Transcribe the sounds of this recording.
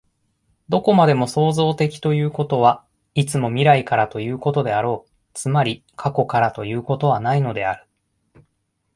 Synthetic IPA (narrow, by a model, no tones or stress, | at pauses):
d̪o̞ko̞mad̪e̞mo̞so̞ːzo̞ːt̪e̞kʲi̥t̪o̞jɯ̟ːko̞t̪o̞βa | it͡sɨmo̞mʲiɾaikaɾat̪o̞jɯ̟ːko̞t̪o̞d̪e̞aɾo̞ː | t͡sɨmaɾʲi | kʰako̞kaɾat̪o̞jɯ̟ːko̞t̪o̞β̞anaino̞d̪e̞aɾɯ̟̥